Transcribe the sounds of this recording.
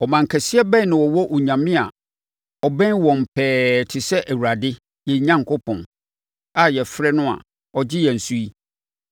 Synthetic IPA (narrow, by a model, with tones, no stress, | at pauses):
ɔ˨mã˨ŋ̩˨kʰɛ˨si˦ɛ˦bɛ̃˦nɪ̃˨wɔ˨wɔ˦ʔɔ˨ɲã˨mɪ̃˦a˨ | ɔ˨bɛ̃˦wɔ̃˨m̩˨pʰɛː˨˦tʰɪ˨sɛ˦ʔæ˨wu˨ɾa˨dɪ˦ | jɛ˨˦ɲã˦ŋkʰo˦pʰɔ̃˨n | a˨jɛ˨fɾɛ˦nʊ̃˦a̰˨ | ɔ˨d͡ʑɪ˦jɛ˨n̩˨su˦i˦